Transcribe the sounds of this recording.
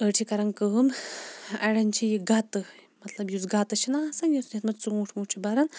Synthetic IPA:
əʈʰikɐɾɐnkəːm | ɐɽɐnʲt͡ʃʰijiɡɐt̪ɨmɐt̪lɐbjuzɡɐt̪ɨt͡ʃʰinasɐnjusniɐt̪mɐt͡suũːʈʰmuːʈʰibɐɾɐn

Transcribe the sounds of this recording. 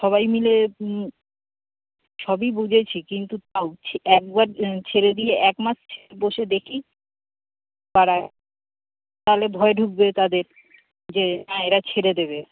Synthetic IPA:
ʃɔβajmile | ʃɔbibud͡ʑʱet͡ɕʰikint̪ut̪aowt͡ɕʰɛk̚baɾt͡ɕʰeɾed̪ijeʔɛkmast͡ɕʰeeboʃed̪ekʰi | baɽae | t̪aɦolebʱɔeɖʱuk̚bet̪ad̪eɾ | d͡ʑenaeɾat͡ɕʰeɾed̪eβe

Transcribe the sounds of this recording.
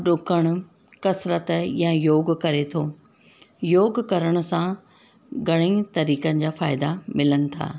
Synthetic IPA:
ɗʊkəɽ̃ʊ̆ | kɐsɾət̪jãjoːɡkɐɾet̪ʰoː | joːɡkɐɾəɽ̃ʊ̆sã | ɡɐɽ̃eĩt̪ɐɾiːkənɪ̆d͡ʑaːfaːɪd̪amɪlənɪ̆t̪ʰa̰ː

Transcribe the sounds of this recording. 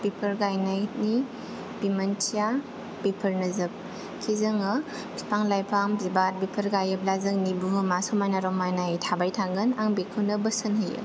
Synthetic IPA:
b̥epʰəɾɡajnajni | b̥imɐntʰija | b̥epʰɐɾnɐzɐp̚ | kʰizɐŋɐ | pʰi̥pʰaŋlajpʰamzibat̚bipʰɐɾɡajɯp̚lazɯŋ̚nibuɦɯmasumajnaɾɔmːajnajtʰabajtʰaɡɯnaŋbekʰɯnɐbɐsɯnɦɯjɯ̰

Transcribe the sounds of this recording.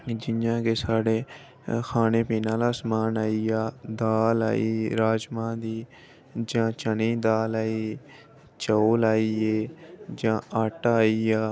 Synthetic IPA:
d͡ʒɪjãːkeːsaːɽeː | kʰaːneːpiːnãːlaːsmaːnaːiːaːd̪aːla̰ːiːɾaːd͡ʒmãːd̪iː | d͡ʒãːt͡ʃəniːd̪aːlaːiː | t͡ʃəoːlaːiːeːd͡ʒãːəʈaːiːaː

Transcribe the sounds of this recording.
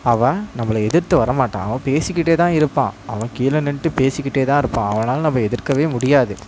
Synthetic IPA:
ɐʋɐ̃nɐmːɐlɐɛðɪɾt̪ɯʋɐɾɐmaːʈːã̰ːɐʋɐ̃peːsɪkːɪʈːeːt̪ãːɪɾɯpːã̰ːʔɐʋɐ̃kiːlɐnɪɳʈːɯpeːsɪkːɪʈːeːt̪ãːɪɾɯpːãːɐʋɐnaːlnɐmːɐɛðɪɾkɐʋeːmʊɽɪjaːðɯ

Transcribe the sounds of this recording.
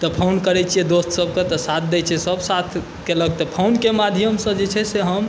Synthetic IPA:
t̪ɔpʰawnkəɾɛt͡ʃʰijed̪ost̪səbket̪ɔsat̪ʰd̪ɛt͡ʃʰɛsəbsat̪ʰ | kelək̚t̪ɔpʰawnkemad̪ʱjəmsə̃d͡ʒet͡ʃʰɛseɦəm

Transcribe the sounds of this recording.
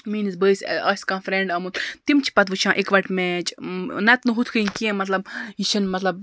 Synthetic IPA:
miːnizbəːsʲɐ̰ːsʲkãːnfɾẽɳɖɐmut̪t̪imt͡ʃʰi̥pɐt̪ʋɨt͡ʃʰãːʔikʋɐʈmeːt͡ʃnɐt̪nɨɦut̪ʰkʰɨĩkiẽmɐt̪lɐb̚jit͡ʃʰɐnmɐt̪lɐb̚

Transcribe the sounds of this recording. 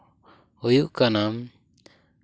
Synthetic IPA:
ojuʔkanam

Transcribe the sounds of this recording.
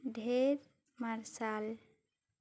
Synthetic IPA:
ɖʱeɾ | maɾsal

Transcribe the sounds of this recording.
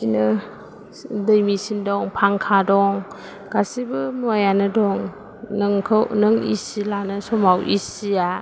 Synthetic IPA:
sinɯ | dɯjmisindɔŋpʰaŋkʰadɔŋ | ɡ̥asibɯnajanɯdɔŋ | nɯŋkʰnɯŋḭsilanɯsɔmawʔisia

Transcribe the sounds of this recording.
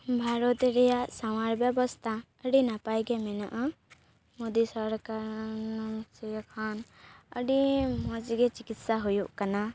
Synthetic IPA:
bʱaɾɔt̪ɾɛjaʔsamaɾbjəbɔst̪ʰa | əɖinapajɡemɛnə̰ʔ | mod̪isəɾkaɾnsejkʰaːnə̰ɖimɔd͡ʒɡet͡ʃɪkɪt̪saɦujuʔkana

